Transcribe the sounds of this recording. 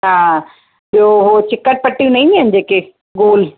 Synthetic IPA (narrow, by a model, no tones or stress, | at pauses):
ɦãː | ɓijoɦot͡ɕɪkəʈ̚pɐʈːijũnɐ̃ĩːnd̪iɦɐnɪ̆d͡ʑeːke | ɡoːl